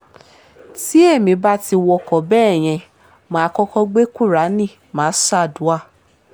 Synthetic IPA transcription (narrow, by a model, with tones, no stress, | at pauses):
ti˦e˦˨mĩ˧ba˦ti˧wɔ˧kɔ˨bɛː˦˨j̃ɛ̃˧ | mãː˨˦˧kɔ˦kɔ˦ɡ͡be˦ku˦˨ɾa˨˦nĩ˦˨ | mãː˨˦sa˦˨du˨˦a˦˨